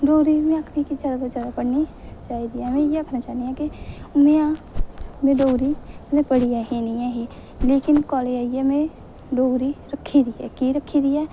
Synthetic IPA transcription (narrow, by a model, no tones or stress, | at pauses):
ɖoːɾimẽəkʰnikid͡ʒaːd̪at̪od͡ʒjaːd̪apəɽnit͡ʃaːid̪iɛmẽjeəkʰnat͡ʃaːniɦɛ̃kimẽã | mẽɖoːɡɾinepəɽijaɦiniaɦi | leːkɪnkɔːleaiamẽ | ɖoːɡɾiɾəkʰːid̪iɛ̰kiɾəkʰːid̪iɛː